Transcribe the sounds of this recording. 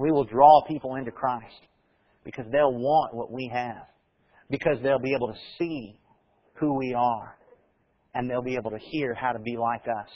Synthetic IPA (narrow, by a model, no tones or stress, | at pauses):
wiwəlˠdɹɔpʰipl̩ˠɪ̃ntʉkʰɹ̥aɪst̚ | b̥ɨkʰʌzðeɪlˠwɑ̃nʔwʌ̰ʔwiɨv̥ | bɨkʰʌzðeɪlˠbieɪbl̩ˠtʰɨsi | huwiə˞ | ɨ̃nðeɪlˠbieɪbl̩ˠtɨhiɹhaʊɾɨbilaɪkʌs